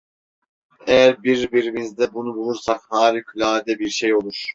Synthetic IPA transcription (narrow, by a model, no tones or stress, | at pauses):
ɛjæɾbiɾbiɾimizd̪ɛbunubulˠuɾsakhaːɾikʰylʲaːd̪ɛbiɾʃejo̞lˠuɾ̥